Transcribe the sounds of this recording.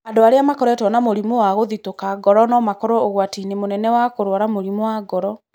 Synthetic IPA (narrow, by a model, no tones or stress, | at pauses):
andoaɾeamakɔɾɔɛtwɔnamoɾimowaɣoðitokaɡɔɾɔnɔmakɔɾɔoɣwatinemonɛnɛwakoɾwaɾamoɾimowaɡɔɾɔ